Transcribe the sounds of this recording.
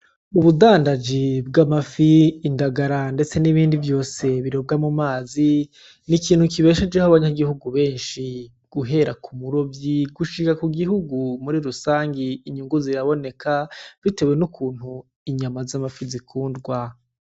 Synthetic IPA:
uβudaːndad͡ʒib̚ɡamafiːndaɡaɾande̞t͡se̞niβiːndivjo̞ːse̞βiɾob̚ɡamumaːzi | nikiːnhukiβe̞ʃe̞d͡ʒehaβaɲaɡihuɡuβe̞ːnʃi | ɡ̥uɦe̞ɾakʰumuɾo̞bjiɡuʃikakuɡiɦuɡumuɾiɾusaːŋɡiːɲuŋɡuziɾaβo̞ne̞kʰav̥ite̞βwe̞nukʰuːn̥hu | iɲamazamafizikʰuːndɡwa

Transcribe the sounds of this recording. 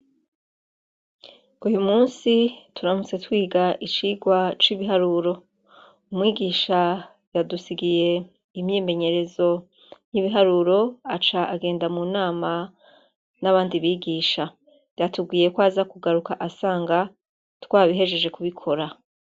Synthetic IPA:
ujumuːnsituɾamut͡se̞twiːɡaʔit͡ʃiːɡwat͡ʃiβiɦaɾuːɾo̞ | umŋiːɡiːʃa | jadusiɡije̞ | imɲeːme̞ɲe̞ɾe̞zo̞ | jiβiɦaɾuɾo̞at͡ʃaʔaɡe̞ːndamunaːma | naβaːndiβiːɡiːʃa | jatuɡwiːje̞kwaːzakuɡaɾukaʔasaːŋɡa | twaːβiɦe̞ʒe̞ʒe̞kuβikʰo̞ɾa

